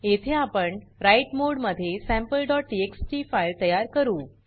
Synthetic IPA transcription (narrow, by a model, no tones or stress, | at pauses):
et̪ʰeapəɳɾaiʈmoɽməd̪ʱːjesæ̃mpəlɖɔʈ̚ɖieksʈifailt̪əjaɾkəɾuː